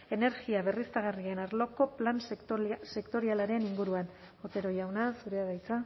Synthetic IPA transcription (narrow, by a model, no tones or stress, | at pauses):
e̞ne̞ɾɣiaβe̞rist̪aɣ̞arie̞naɾlo̞ko̞planse̞kt̪o̞ɾialaɾe̞niŋɡuɾuan | ot̪e̞ɾo̞jawnasuɾe̞aðajt͡sa